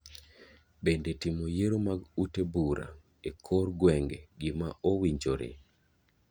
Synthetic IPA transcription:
bendetimojeɾomaɡutebuɾa̰ | ekʰorɡwɛŋɡeɡɪma̰ʔowiɲd͡ʒoɾḛ

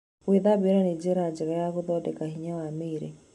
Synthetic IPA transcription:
weðabeɾaned͡ʒeɾad͡ʒeɾajakʊðɔdɛkahiɲawameɾḛ

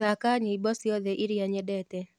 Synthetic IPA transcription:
akaɲeibɔsɪɔðɛʔiɾjaɲɛdɛtɛ

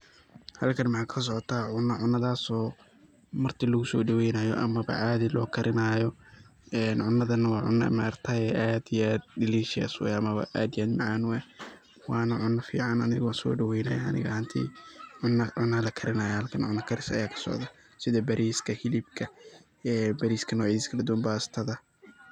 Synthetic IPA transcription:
hɐlkʰɐnmɑħɑːkʰɐs̬ɔʕɔt̪ʰɐʕʊnːɐʕʊnːɐðaːsɔː | mɐrt̪ʰilɐɣʊsɔːɖɐwɛjnaːjɔ̰ʔɐ̰mɐβɐ̰ʕaːðɪlɔ̰ːkʰɐɾʔɪnaːjɔɛːnʕʊnːɐðɐnːɐwɑːʕʊ̰nːɐ̰maɾt̪ʰɐɛʔaːd̪ijaːd̪ɖɪliːʃɪja̰swɛ̰ɐmɐβɐ̰ʔaːd̪ɪjaːd̪mɐʕaːnwɛ | wɑːnɐʕʊnːɐfḭːʕɑnɐnɪɣɐwɑːnsɔ̰ːɖɐwɛjna̰ːja̰ɐ̰nɪ̰ɣɐhɐnt̪ʰḭːʕʊnːɐʕʊnːɐlɐkʰɐɾɪnaːjɛhɐlkʰɐnʕʊnːɐkʰɐɾɪsɐ̰jaːkʰɐ̥sɔ̰ʕðɐ | sɪðɐbɐɾʔiːskʰɐhɪlɪbkʰɐ | ɛbɐɾiːskʰɐnɔːʕiːsɪ̥skʰɐlɐd̪ʊwaːnbaːst̪ʰɐðɐ

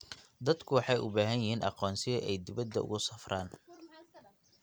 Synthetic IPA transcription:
d̪ɐd̪kʰʊwɑħɑjʔʊ̰baːɦɐnjɪhiːnʔɑ̰qɔːnsɪɐʔɛjd̪ɪβɐd̪ːɐ̰ʔʊ̰ɣʊsɐfraːn

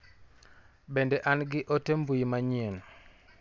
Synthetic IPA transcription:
bendeʔanɡɪʔotembuimaɲien

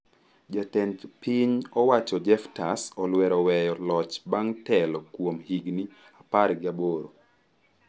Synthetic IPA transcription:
d͡ʒatɛntpiɲɔwat͡ʃɔd͡ʒɛftasɔlwɛɾɔwɛjɔlɔt͡ʃbaŋtɛlɔkwomhiɡni | apaɾɡɪaboɾo̰

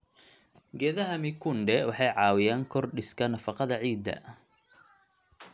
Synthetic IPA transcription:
ɡɛːðɐɦɐmɪkʰʊnɖɛwɑħɑjʕɑːwɪjaːŋkʰɔrɖɪskʰɐnɐfɑqɑðɐʕiːd̪ɐ̰

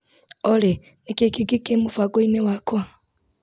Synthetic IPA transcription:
ole | nekekiɡikemufaɡoinewakwa

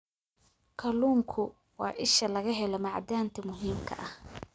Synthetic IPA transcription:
kʰɐluːmkʰʊ | wɑːʔɪʃɐlɐɣɐɦɛlɔmɑʕd̪aːnt̪ʰɐmʊɦiːmkʰɐ̰ʔɐh

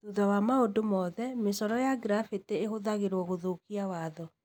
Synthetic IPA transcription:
ðuðawamaodomɔðɛmesɔɾɔjaɡɾafeteeɦoðaɣeɾwɔɣoðokiawaðɔ

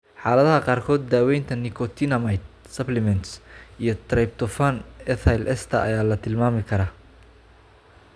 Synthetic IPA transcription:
ħɑːlɐðɐɦɐqɑːrkʰɔːd̪̚ːaːwɛjnt̪ʰɐnikʰɔt̪ʰinɐmɐjt̪̚sɐplɛmɛnt̪sʔijɞt̪ʰrɐjb̚t̪ʰɔfanɛθʰajlʔɛst̪ʰɐʔɐ̰jaːlɐt̪ʰɪlmaːmɪkʰɐɾaː

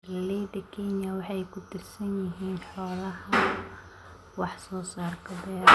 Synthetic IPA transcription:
lɛjd̪ɐkʰɛnjɐwɑħɑjkʰʊt̪ʰɪrsɐnjɪɦiːnħɔːlɐhɐ | wɑħsɔːsaːrkʰɐbɛː

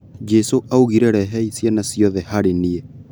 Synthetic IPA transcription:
d͡ʒɛsoʔauɣiɾɛɾɛɦɛisjanasiɔðɛhaɾeniɛ

